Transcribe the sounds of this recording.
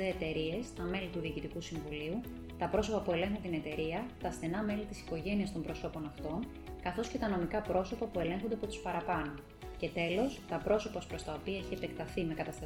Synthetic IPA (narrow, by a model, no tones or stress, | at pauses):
eːt̪e̞ɾie̞st̪ɐme̞lit̪uðiːcit̪ikusiɱvuliu | t̪ɐpɾo̞so̞pɐpue̞le̞ŋxunt̪ine̞t̪e̞ɾiɐt̪ɐsθe̞nɐme̞lit̪isi̥ko̞ʝe̞niɐst̪o̞mbɾo̞so̞po̞nɐft̪o̞n | kɐθo̞sce̞t̪ɐno̞mikɐpɾo̞so̞pɐpue̞le̞ŋxond̪eɐpot̪u̥spɐɾɐpɐnun | ce̞t̪e̞lo̞st̪ɐpɾo̞so̞pɐspɾo̞st̪ɐopiɐeçiepe̞kt̪ɐθime̞kɐt̪ɐst̪ɐ